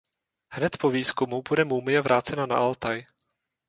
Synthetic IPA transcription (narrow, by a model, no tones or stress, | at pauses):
hnɛt̪poviːskumubudɛmumɪjɛvɾʔaːt͡sɛnana̰ʔalt̪aj